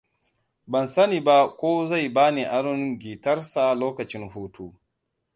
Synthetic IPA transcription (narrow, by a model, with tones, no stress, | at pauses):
bɐ˨nsɐ˦niː˨ba˦kʷoː˦za˦˨jbaː˦ni˨ʔa˨ɽɪ˦ŋɡʲiː˨tɐ˦rsa˨loː˦kɐ˨t͡ʃɪ˦ŋhoː˦tʰoː˦